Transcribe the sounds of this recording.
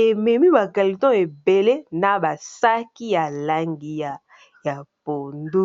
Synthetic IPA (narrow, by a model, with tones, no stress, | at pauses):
e˨mɛ˨mi˦ba˨ka˨li˨tɔ̃˦e˨be˨le˦na˨ba˨sa˦ki˦ja˨la˦ŋɡi˦ja˨ | ja˨po˨ndu˦